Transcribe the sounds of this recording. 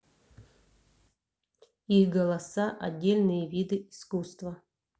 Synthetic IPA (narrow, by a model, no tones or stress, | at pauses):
ixɡɐlˠɐsaʔɐdʲːelʲnɨjəvʲid̪ɨiskust̪vɐ